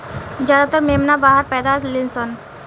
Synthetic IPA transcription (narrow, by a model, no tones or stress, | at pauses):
d͡ʒjad̪at̪əɾmeːmnabaːɦəɾpɛːd̪aːt̪lɪnsɔn